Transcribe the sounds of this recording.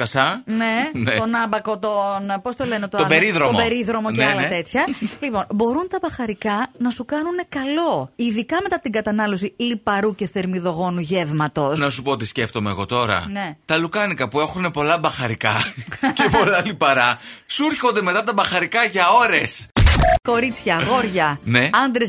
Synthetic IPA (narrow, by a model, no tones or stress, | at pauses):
kɐsɐne̞net̪o̞nɐmbɐko̞t̪onpo̞st̪o̞le̞ne̞t̪ot̪oɐbeɾiðɾoombeɾiðɾo̞mo̞ceɐlɐt̪e̞t̪çɐlipo̞nbo̞ɾunt̪ɐbɐxɐɾikɐnɐsukɐnune̞kɐlo̞iðikɐme̞t̪ɐt̪iŋɡɐt̪ɐnɐlo̞silipɐɾuce̞θe̞ɾmiðo̞ɣo̞nuʝe̞vmɐt̪o̞snɐsupoot̪isce̞ft̪o̞mḛːɣo̞t̪o̞ɾɐ̰net̪ɐlukɐnikɐpue̞xune̞po̞lɐbɐxɐɾikɐcepo̞lɐlipɐɾɐsuɾço̞nd̪e̞me̞t̪ɐt̪ɐbɐxɐɾikɐʝɐo̞ɾe̞sko̞ɾit͡sçɐɣo̞ɾʝɐne̞ɐnd̪ɾes